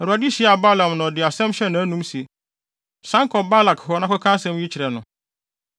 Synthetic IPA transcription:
ɛ˨ɾu˨a˨di˦ɕi˨˦˨a˨ba˦lã˨mnã˨dɪ˨a˨sɛ̃˦mɕɛ˦nã˨˦æ˦nũ˦msi˨ | sã˦ŋkʰɔ˨ba˦la˨kɦɔ˨˦nã˦kɔ˦kʰã˦sɛ̃˦mji˦t͡ɕʰɪ˨ɾɛ˨nʊ̃˨

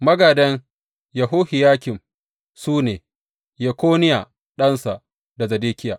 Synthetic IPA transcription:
mɐ˦ɡa˨dɐ˦ŋ | jɐ˨ɦoː˦hɪ˨jaː˦kʲɪ˨m | suː˦neː˨ | je˨kʷoː˦nɪ˦jaː˨ | ɗɐ˦nsa˨ʔ | da˨zɐ˨deː˦kʲɪ˦ja̰ː˨

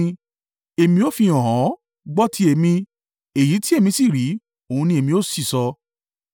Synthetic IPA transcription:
e˨mĩ˧o˦fi˧˨j̃ɔ̃˨ɦã˨˦ | ɡ͡bɔ˦tʰi˦e˨mĩ˧ | e˨ji˨˦ti˦e˦˨mĩ˧si˦˨ɾi˨˦ | o˨ũ˧nĩ˧e˨mĩ˧o˦si˦˨sɔ˧

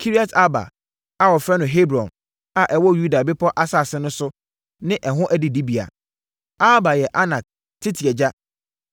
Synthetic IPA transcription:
kʰi˦ɾi˦a˨tʰa˦ba̰˨ | a˨wɔ˨fɾɛ˦nʊ̃˨ɦe˦bɾɔ̰̃˨n | a˨ʔɛ˨wɔ˦ju˦da˨bɪ˦pʰɔ˦ʔa˦sa˦˨sɪ̃˦nʊ̃˦sʊ˦ | nɪ̃˦ʔɛ˨ɦʊ̃˦ʔæ˦di˨di˦bi˨a̰˨ | a˦ba˨jɛ˨ʔa˦nã˨k̚ | tʰɪ˦tʰi˨ɛ˨d͡ʑa˦

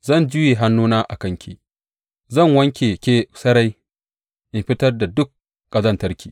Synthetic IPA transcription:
zɐ˦˨nd͡ʒʊ˦je˨ɦa˦nːuː˦naː˦ʔa̰˨kɐ˦ŋkʲiː˨ | zɐ˦˨ŋwɐ˦ŋkʲeː˨kʲeː˦sɐ˦ɽa˦j | ʔɪ˨ɸɪ˦tɐ˦rda˨dʊ˦k̚ | kʼɐ˨zɐ˦ntɐ˦rkʲiː˨

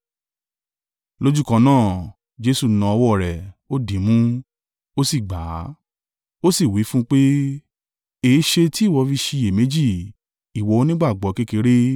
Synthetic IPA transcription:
lo˦d͡ʒu˦˨kã˧nãː˦˨ | d͡ʒe˧su˧˨nã˧ɔ˧wɔ˦˨ɾɛ˨o˦dĩ˨˦mũ˦ | o˦si˦˨ɡ͡ba˨˦ | o˦si˦˨wi˨˦fũ˦k͡pe˦ | e˨˦ʃe˧ti˦˨wɔ˧fi˧ʃi˧je˨me˨˦d͡ʒi˦˨ | i˨wɔ˨˦nĩ˦ɡ͡ba˦˨ɡ͡bɔ˨˦ke˦ke˧ɾe˦

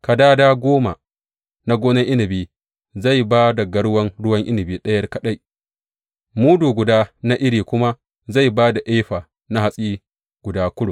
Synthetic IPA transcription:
ka˨daː˦daː˦ɡʷoː˦ma˨ | na˦ɡʷoː˦nɪ˦ŋʔɪ˦nɪ˨biː˦ | za˦˨jbaː˦da˨ɡɐ˦ɽwɐ˦ŋɽʊ˦wɐ˦ŋʔɪ˦nɪ˨biː˦ɗɐ˦jɐ˦rkɐ˨ɗa˦j | muː˦duː˨ɡʷʊ˨daː˦na˦ʔɪ˦ɽiː˨kʷʊ˦ma˦ | za˦˨jbaː˦da˨ʔeː˦ɸa˨ | na˦ha˦sʼiː˦ | ɡ̥ʷʊ˨daː˦kʷʊ˦ɽʊ˨

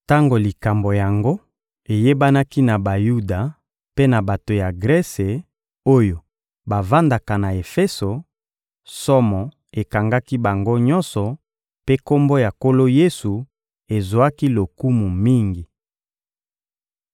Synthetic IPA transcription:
ta˦ŋɡo˨li˨ka˨mbo˨ja˨ŋɡo˦ | e˨je˦ba˦na˦ki˦na˨ba˨ju˦da˨ | pe˦na˨ba˨to˨ja˨ɡʁɛ˦se˨ | o˦jo˨ | ba˨va˦nda˨ka˨na˨e˨fe˦so˨ | sɔ˦mɔ˨ | e˨ka˨ŋɡa˦ki˦ba˨ŋɡo˦ɲɔ̃˦nsɔ˨ | pe˦ko˦mbo˦ja˨ko˦lo˦je˦su˨ | e˨zo˨a˦ki˦lo˨ku˦mu˨mi˦ŋɡi˨

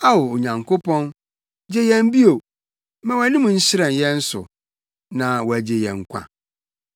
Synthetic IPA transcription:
a˦wo˨o˨ɲã˨ŋkʰo˦pʰɔ̃˦n | d͡ʑe˦jɛ̃˦m˦bi˦o˨ | mɛ̃˦wæ˨nɪ̃˦mũ˨n̩˦ɕɪ˦ɾɛ̃˨njɛ̃˦n̩˦sʊ̰˨ | nã˨wɔ˨æ˨d͡ʑe˨jɛ̰̃˨ŋ̩˦kʷʰã̰˨

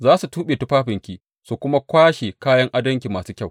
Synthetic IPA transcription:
zaː˦su˨tuː˦ɓeː˨tu˦ɸaː˦ɸɪ˨ŋkʲi˦ | su˨kʷʊ˦ma˦kʷaː˦ʃe˨kaː˦jɐ˦ŋʔa˦dɐ˦ŋk̬ʲi˨maː˨suː˦kʲɐ˦˨w

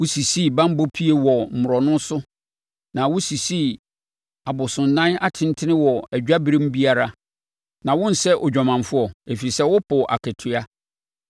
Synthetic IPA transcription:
wʊ˦si˨si˦˨bã˦m˦bo˦pʰi˦e˨wɔ˨m̩˨mʊ˨ɾɔ˨nʊ̃˦n˦sʊ˦ | nã˨wʊ˦si˨si˦ | a˨bʊ˨sʊ̃˨nː˨ã˦na˦˨tʰɪ̃˦n˦tʰɪ˦nɪ̃˦wɔ˨æ˨d͡ʑᶣa˦bi˦ɾɪ̃˦m˦bi˦a˦ɾa˦ | nã˨wʊ̃˦n̩˨sɛ˦ʔɔ˨d͡ʑᶣɔ˨mã˨nfʊ˦ɔ˨e˨fi˨sɛ˦wʊ˦pʰʊ˨ʔa̰˨kʰɛ˨tʰʊ˦a˦

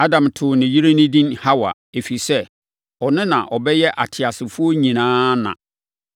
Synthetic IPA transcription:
a˦dã˨mtʰʊ˨nɪ̃˨ɥi˦ɾe˦nɪ̃˦dĩ˦nha˦wa̰˨ | e˨fi˨sɛ˦ | ɔ˨nɪ̃˦nã̰˨ʔɔ˨bɛ˦jɛ˦ʔa˨tʰɪ˨a˨sɪ˨fʊ˦o˦ɲĩ˨nãː˦nã̰˨

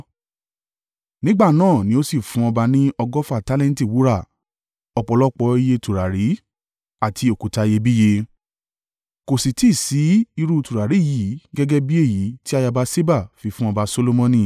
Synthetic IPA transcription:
nĩ˦ɡ͡ba˦˨nãː˦˨nĩ˧˦o˦si˦˨fũ˨˦ɔ˧ba˧nĩ˦ɔ˧ɡɔ˦fa˦˨ta˦lɛ̃˦n˦ti˦˨wu˨˦ɾa˦˨ | ɔ˧k͡pɔ˧lɔ˦k͡pɔ˧˦i˧je˧tu˨ɾa˨ɾi˨˦ | a˨tʰi˧o˨ku˨ta˧je˧bi˦je˧ | ko˨si˨ti˦˨si˨˦i˧ɾu˦˧tu˨ɾa˨ɾi˨˦˨ji˨˦ɡɛ˦ɡɛ˦bi˦e˦˨ji˨˦ti˦a˧ja˧ba˧˦se˦ba˦˨fi˧fũ˦ɔ˧ba˧so˧lo˧mɔ̃˧nĩ˦˨

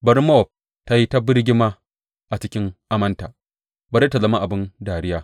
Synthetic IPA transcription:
bɐ˦ɾma˦ɔ˨p̚ | ta˦ji˦ta˦bɪ˦ɾɡʲɪ˦maː˦ | ʔa˨t͡ʃɪ˦kʲɪ˦ŋʔa˦mɐ˦ntaː˨ | bɐ˨ɾe˦tːa˨zɐ˦ma˦ʔa˨bɪ˦ndaː˨ɾɪ˦jaː˦

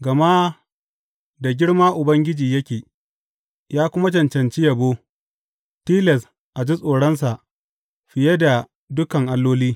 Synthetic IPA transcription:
ɡɐ˨ma˦ | da˨ɡʲɪ˦ɽmaː˦ʔʊ˨bɐ˦ŋɡʲɪ˦d͡ʒiː˨jɐ˦kʲeː˨ | jaː˦kʷʊ˦ma˦t͡ʃɐ˨nt͡ʃɐ˨nt͡ʃi˦jɐ˨boː˦ | tiː˦lɛ˨s | ʔa˨d͡ʒi˦sʼoː˨ɽɐ˦ns̬a˨ʔ | ɸɪ˨je˦da˨ | dʊ˦kɐ˨ŋʔa˦lːoː˦liː˦

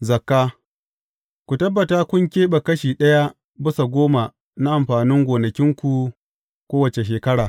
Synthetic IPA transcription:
zɐ˨kːaː˦ | kʷu˨tɐ˦bːɐ˨taː˦kʷʊ˦ŋkʲeː˦ɓɐ˨kɐ˦ʃiː˨ɗɐ˦ja˦ | bɪ˦sa˨ɡʷoː˦ma˨ | na˦ʔa˨mɸaː˨nɪ˦ŋɡʷoː˨nɐ˨kʲɪ˦ŋkʷu˨ | kʷoː˦wɐ˨t͡ʃe˨ʃ̬eː˨kɐ˦ɽaː˨

